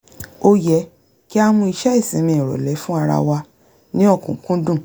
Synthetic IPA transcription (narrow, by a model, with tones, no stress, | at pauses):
o˧jɛ˨˦ | ki˦a˦˧mũ˧i˧ʃɛ˦i˦˨sĩ˨˦mĩ˧˨ɾɔ̰˨lɛ˨˦fũ˦a˧ɾa̰˧wa˧ | nĩ˦ɔ˦˨kũ˨kũ˦dũ˦˨